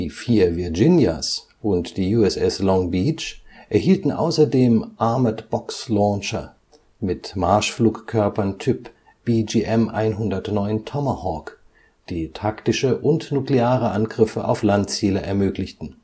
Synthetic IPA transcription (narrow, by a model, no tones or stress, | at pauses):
d̥iːfiːɐviɐd͡ʒɪnja̰s | ʔʊntd̥iːjuːɛsɛslɔŋbiːt͡ʃʔɛɐhiːltn̩ʔa̰ʊsɐdeːmʔaɐmɐtb̥ɔkslɔːnʃɐ | mɪtmaɐʃfluːkkʰːœɐpɐntʰʏp | b̥iːd͡ʒiʔɛmʔa̰ɪnɦʊndɐtnɔʏntʰɔmɐhɔːk | d̥iːtʰaktɪʃəʔʊntnukleaːʁ̞əʔanɡʁɪfəʔa̰ʊflantt͡siːləʔɛɐmøːklɪçtn̩